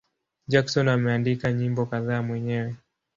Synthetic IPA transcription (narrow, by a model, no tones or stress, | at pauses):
d͡ʒaksɔnamɛandikaɲimbɔkaðaːmwɛɲɛwɛ